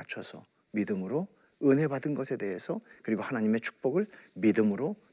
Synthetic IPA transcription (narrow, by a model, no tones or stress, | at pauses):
at͡ɕʰʌsʰʌ | midɯmɯɾo | ɯnɦe̞badɯnɡʌsʰe̞de̞ɦesʰʌkɯɾiɡohanaɲime̞t͡ɕʰu̥k̚p͈ʌɡɯɭmidɯmɯɾo